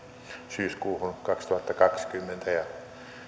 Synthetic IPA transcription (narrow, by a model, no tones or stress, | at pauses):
syːskuːhunkɑkst̪uhɑt̪ːɑkɑkskymːent̪ʰæjɑ